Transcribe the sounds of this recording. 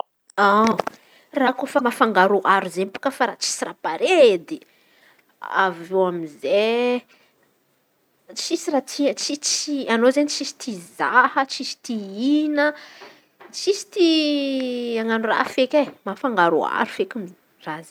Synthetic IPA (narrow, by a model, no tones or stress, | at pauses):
a | rakofamafaŋɡaɾoʔaɾuzempu̥kəfaɾat͡ʃi̥sirapaɾed̪i | a̰vewamize | t͡ʃisirat͡sit͡ʃit͡sianozenit͡ʃisi̥t̪izahət͡ʃisi̥t̪iinə | t͡ʃisi̥t̪i | aŋanura̰fekʲemafaŋɡaɾo̰a̰ɾufekʲumi | raze